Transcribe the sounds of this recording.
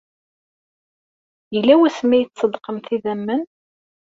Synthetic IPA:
jəlːæwæsmæjət͡sːsːəd̪qəmθiðæmːən

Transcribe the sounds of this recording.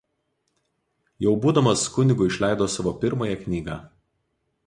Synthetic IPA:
jɛʊbuːd̪ɐmɐskʊnʲɪɡʊɪʃʲlʲæˑɪd̪oːsɑʋoːpʲɪɾmoːjɛknʲiːɡɑ̰ː

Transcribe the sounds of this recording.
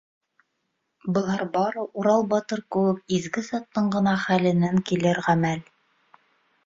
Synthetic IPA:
bɤ̆lˠɑɾbɑɾɤʔuɾɑlˠbɑt̪ɤɾkɘ̆wɘk̚izɡɘzɑt̪ːɤɴɢɤ̆nɑχælɘ̆næŋkilɘɾʁæmæl

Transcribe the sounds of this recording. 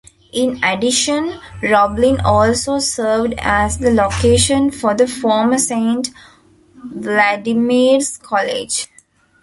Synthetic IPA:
ʔɪ̃neɖɪʃə̃nɾɔblĩnɔːlsoːsəːɾʋɖæzd̪əlokeːʃə̃nfɔɾd̪əfɔːɾməsẽːɳʈ | ʋlæɖɪmiːɾskʰɔlḛd͡ʒ

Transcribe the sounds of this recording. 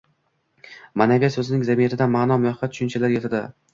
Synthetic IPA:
manavʲasɵzɪnɪŋzamijat̪ʰɪd̪anmanɒmʊjɒat̪ʰʊ̥ʃʊnt͡ʃʰalaɾjet̪ʰad̪ɪ

